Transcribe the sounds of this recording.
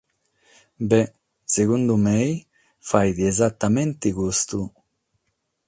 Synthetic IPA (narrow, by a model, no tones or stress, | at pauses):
bɛ | seɣund̪umej | fajd̪iezat̪ːament̪ikust̪u